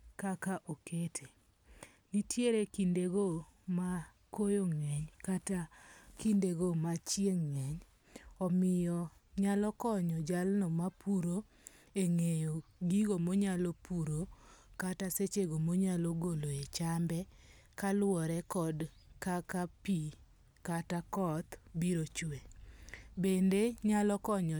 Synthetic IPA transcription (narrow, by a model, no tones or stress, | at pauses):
kakaʔoketʰe | nitʰjeɾekindeɡoma | kojoŋɛɲkatakindeɡomat͡ʃjeŋːɛɲ | ɔmɪjɔɲalɔkɔɲɔd͡ʒalnɔmapuɾo | eŋejoɡiɡomoɲalɔpuɾokataset͡ʃeɡomoɲalɔɡoloet͡ʃambɛ | kalwɔɾɛkɔd | kakapi | katakɔt̪biɾot͡ʃwe | bendeɲalɔkɔɲɔ